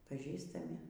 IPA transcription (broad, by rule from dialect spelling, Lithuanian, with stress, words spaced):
pɐˈʒʲiːstɐmʲɪ